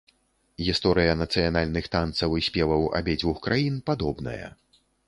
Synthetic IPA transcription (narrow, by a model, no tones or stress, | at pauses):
ɣʲist̪ɔɾɨjɐnɐt̪sɨjanalʲnɨxt̪ant̪sɐwɨsʲpʲɛvˠɐwa̰bʲɛd͡zʲvuxkɾajinpad̪ɔbnɐ̰jɐ̰